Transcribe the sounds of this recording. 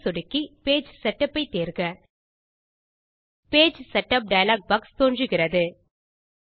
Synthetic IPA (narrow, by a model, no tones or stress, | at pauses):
sɔɽɪkːipeːd͡ʒsɛʈːɐpːɐɪt̪ːeːɾɣɐ | peːd͡ʒsɛʈːɐp̚ɖɐjɐlaːk̚bɐkst̪oːndrɯɣɪrɐðɯ